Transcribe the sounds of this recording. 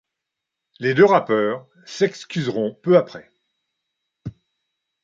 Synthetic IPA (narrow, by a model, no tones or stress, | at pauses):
led̪øʁapœːʁ | sɛkskʲyzʁɔ̃pøapχɛ